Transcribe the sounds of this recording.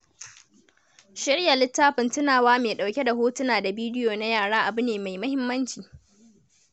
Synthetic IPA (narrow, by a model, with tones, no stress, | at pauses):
ʃɪ˦ɽja˨lɪ˦tːaː˦ɸɪ˨ntʊ˦naː˨waː˦meː˨ɗa˨wkʲe˦da˨hoː˦tʊ˦naː˨da˨biː˦dɪ˦joː˨na˦jaː˦˨ɽaː˦ʔa˨bʊ˦neː˨ma˨jmɐ˦hɪ˦mːɐ˦nt͡ʃiː˨